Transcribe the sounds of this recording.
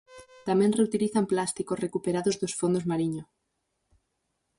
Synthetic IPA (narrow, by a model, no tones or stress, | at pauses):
t̪amẽnreut̪iliθamplast̪ikorekupeɾaðozðosfond̪ozmaɾiɲo